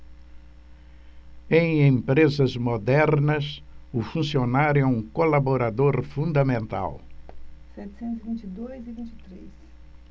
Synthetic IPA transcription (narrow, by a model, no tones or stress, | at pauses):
ẽj̃ẽmpɾezɐzmod̪ɛɾnɐsʊfũsionaɾjʊɛũkolaboɾad̪oɾfũnd̪ɐmẽnt̪a̰w | sɛt͡ʃ̪ɪ̥sẽnt̪ʊzivĩnt͡ʃid̪ojzivĩnt͡ʃit̪ɾes